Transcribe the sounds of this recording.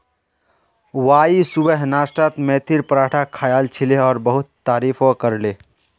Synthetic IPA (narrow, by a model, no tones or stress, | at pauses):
waːisubəɦnaːsʈat̪mẽt̪ʰiɾpɾaːʈʰakʰaːjaːlt͡ʃʰileɔːɾbəɦʊt̪ːaːɾiːfʰokəɾleː